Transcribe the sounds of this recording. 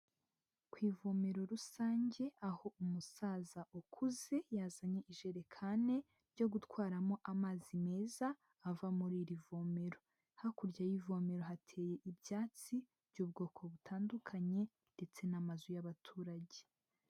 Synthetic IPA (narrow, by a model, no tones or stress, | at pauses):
kwiːvo̞me̞ɾo̞ɾusaːɲɟe̞aho̞umusaːzaʔukʰuze̞jaːzaɲe̞ʔiʒe̞ɾe̞kʰane̞ | ɾɟo̞ɡutwaːɾamo̞ʔamaːzime̞ːzaː | vamuɾiːɾivo̞me̞ɾo̞ | hakuɾɟajivo̞me̞ɾo̞ɦatʰe̞ːje̞ʔibɟaːt͡si | b̥ɟuːb̚ɡo̞ːkʰo̞βutʰaːndukʰaɲe̞ | nde̞t͡se̞namazujaβatʰuːɾaɟe